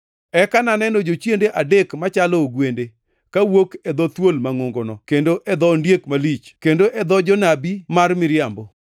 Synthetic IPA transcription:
ɛkananɛnod͡ʒot͡ʃjendeʔadekmat͡ʃalɔːɡwende | kawokɛd̪ɔt̪wolmaŋoŋɡonɔkendoʔɛd̪ɔndjekmalit͡ʃkendoʔɛd̪ɔd͡ʒɔnabimarmɪɾjambo

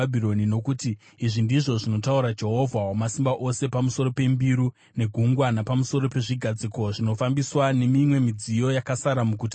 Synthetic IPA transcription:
abʱio̞nino̞kuti | iʐindiʐo̞ʐino̞tauɾad͡ʒe̞ɦo̞vʱawamasimbaʔo̞se̞pamuso̞ɾo̞pe̞mbiɾu | ne̞ɡʱuŋɡwanapamuso̞ɾo̞pe̞ʐiɡʱad͡ziko̞ʐino̞fambiswane̞mimwe̞mid͡zijo̞jakasaɾamuk̬uti

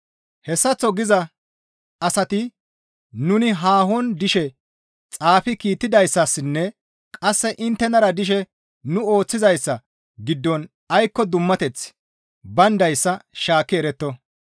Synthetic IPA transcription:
hɛsːɐt͡sːɔɡɪzɐ | ɐsɐt̪ɪ | nʊnɪɦaːɦɔnd̪ɪʃɛ | t͡sʼaːfɪkiːt̪ːɪd̪ɐjsːɐsːnːɛ | kʼɐsːɛʔɪnt̪ːɛnɐɾɐd̪ɪʃ̬ɛ | nʊo̞ːt͡sːɪzɐjsːɐ | ɡɪd̪ːɔn | ɐjkːɔd̪ʊmːɐt̪ɛt͡s | bɐnd̪ɐjsːɐʃaːkːɪɛɾɛt̪ːɔ

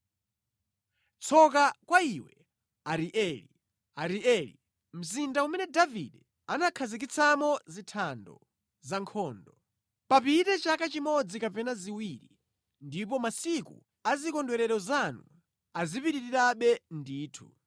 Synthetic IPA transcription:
t͡sʰɔkakwaiwɛ | aɾiʔɛlḭ | aɾiʔɛlḭ | m̩zindaumɛnɛdaviɗɛ | anakʰazik̬it͡sʰamɔzitʰandɔ̰ | zaŋkʰɔːndɔ | papitɛt͡ʃakat͡ʃimɔd͡zikapɛnaziwiːɾḭ | ndipɔmasikṵ | azikɔndwɛɾɛɾɔzanu | azipiɾiɾiɾaɓɛndiːtʰu̥̰

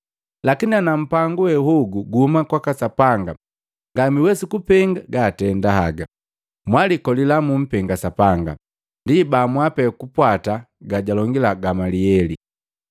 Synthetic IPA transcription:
lakinianam̩paŋɡuhɛhuɡuɡuhumakwakasapaŋɡa | ŋɡamiwɛsukupɛŋɡaɡatɛndahaɡa | mwalikɔlilamum̩pɛŋɡasapaŋɡa̰ | ndibamwapɛkupwata | ɡaɟalɔŋɡilaɡamaliɛli

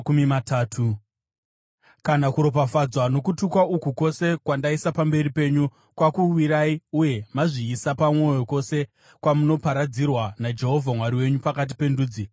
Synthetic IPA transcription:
kumimataːtʰu | kanakuɾo̞p̬afad͡zwano̞kutukwaukuko̞se̞kwandaisapambe̞ripe̞ːɲu | kwakuwiɾaiuje̞maʐiːsapamŋo̞jo̞ko̞se̞ | kwamuno̞paɾad͡zirwanad͡ʒe̞ɦo̞vʱamwaɾiwe̞ɲupakat̬i̥pe̞nduːd͡zi

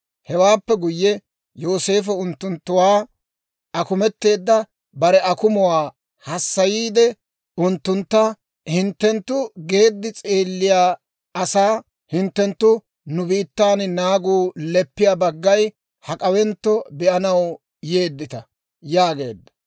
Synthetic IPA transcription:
hɛwaːpːɛɡʊjːɛ | joːse̞ːf̬ɛʊnt̪ːʊnt̪ːʊwaː | ʔɐkʊmɛt̪ːe̞ːd̪ːɐ | bɐɾɛɐkʊmʊwaː | hɐsːɐjiːd̪ɛ | ʊnt̪ːʊnt̪ːɐ | hɪnt̪ːɛnt̪ːʊɡe̞ːd̪ːɪt͡sʼeːlːɪjaː | ɐsaː | hɪnt̪ːɛnt̪ːʊ | nʊbiːt̪ːaːnnaːɡuːlɛpːɪjaːbɐɡːɐj | hɐkʼɐwɛnt̪ːɔbɪʔɐnɐw | je̞ːd̪ːɪt̪ɐ | jaːɡe̞ːd̪ːɐ̥

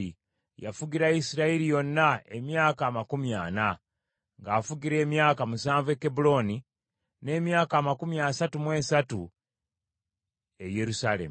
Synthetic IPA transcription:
i | ja̰fuɡiɾaisiɾaiɾijo̞nːae̞̰mjaːkaːmakumjaːna | ŋɡaːfuɡiɾe̞ːmjaːkamusaːɱvekebulo̞ni | ne̞ːmjaːkaːmakumjasatumwe̞ːsatu | e̞je̞ɾusalḛm

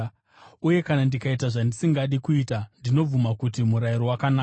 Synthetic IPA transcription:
uje̞kanandikaitaʐandisiŋɡaɗikuitandino̞b͡vumakutimuɾaiɾowakanaːk

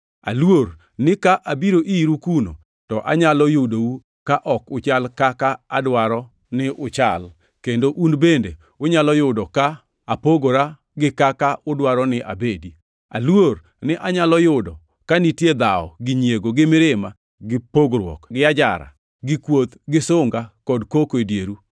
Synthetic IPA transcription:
a̰lwor | nɪkaʔabiɾoʔiɾukuno̰ | tɔʔa̰ɲalɔjʊdowu | kaʔɔkʊt͡ʃalkakaadwaɾɔ | nɪʔʊt͡ʃa̰l | kendoʔunbende | ʊɲalɔjʊdɔka | apoɡoɾa | ɡɪkakaʔʊdwaɾɔnɪʔa̰bedi | a̰lwor | nɪʔaɲalɔjʊdɔ | kanitjed̪aɔ̰ɡɪɲjeɡoɡɪmɪɾɪma | ɡɪpoɡɾwɔ̰kɡɪad͡ʒa̰ɾa̰ | ɡɪkwot̪ɡɪsʊŋɡakɔdkokoedjeɾu

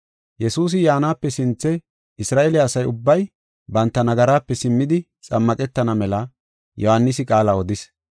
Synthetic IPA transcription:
jɛsuːs̬ɪjaːnaːpːɛsɪnt͡sːɛ | ɪsɾaːʔelɪɐsɐjʊbːɐj | bɐnt̪ːɐnɐɡɐɾaːpːɛsɪmːɪd̪ɪ | t͡sʼɐmːɐkʼɛt̪ːɐnɐmɛlɐ | jɔhɐnːɪs̬ɪkʼaːlɐɔd̪ɪs

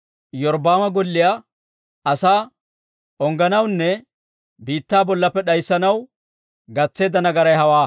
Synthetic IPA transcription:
jɔɾbaːmɐɡɔlːɪja | ɐsaː | ɔŋɡɐnɐwnːɛ | biːt̪ːaːbɔlːɐpːɛɗɐjsːɐnɐw | ɡɐt͡sːe̞ːd̪ɐnɐɡɐɾɐjhɐwaː

